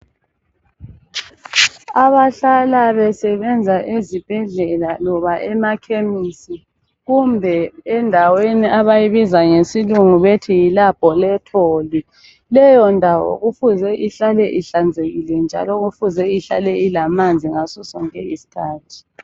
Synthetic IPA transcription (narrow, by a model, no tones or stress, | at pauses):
aβaɬalaβɛsɛβɛnd͡zʱaʔezib̥ʱɛɮɛlalɔβaʔɛmakʰemisi | ɣumbʱɛɛndʱaweniʔaβajiβizaŋesiluŋuβetʰijilapɔlɛtʰoːli | lɛjɔndʱawɔ̰ɣufuzɛʔiɬalɛʔiɬand͡zʱeɣilɛnd͡ʒʱa̰lɔɣufuzɛiɬa̰lɛilamand͡zʱiŋasusɔŋkʼɛisi̥tʰaːtʰi̥